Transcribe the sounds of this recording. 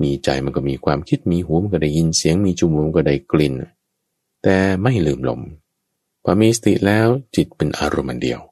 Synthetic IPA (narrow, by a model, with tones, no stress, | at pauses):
miː˧t͡ɕa̰˧jma˧nkɔː˧˩miː˧kʰwaː˧mkʰi˦˥t̪̚miː˧ɦuː˦ma˧nkɔ˧˩da˧˩jːi˧nsi˩˦əŋmiː˧t͡ɕʰu˧˩mlo˧˦mkɔ˧˩da˧˩jkli˧˩n | t̪ɛː˨˩ma˥˩jlɯː˨˩mlo̰˧˩m | pʰɔː˧˩˦miː˧sa˧t̪ḭ˨˩ʔlɛː˦˥wt͡ɕi˨˩t̪̚pe˧nʔa̰ː˧ɾo˧mʔa̰˨˧ndḭ˨˧əw